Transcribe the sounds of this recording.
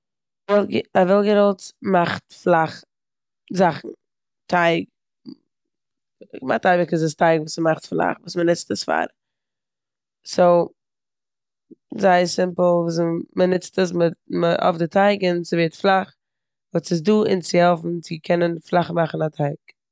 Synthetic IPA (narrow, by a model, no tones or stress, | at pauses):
vɛlˠɡavɛlˠɡəɾɔlˠtmaχtflˠaχ | zaχn̩ | tʰaɪk | ma̰χtaɪbɪkɪsɪstaɪɡvuːsmaχtflˠa̰χvuːsmənɪt͡stəsfa̰ːɾ | soʊ | zaɪəsɪmpl̩ˠvuːs̬mənɪt͡stəsmɪməʔɔ̰fdɪtʰaɪɡɪnsɪveːɾtflˠaχ | vuːsɪs̬duːɪ̰nt͡sɪhɛlˠfn̩t͡sɪkʰɛnənflˠaχmaχn̩atʰaɪk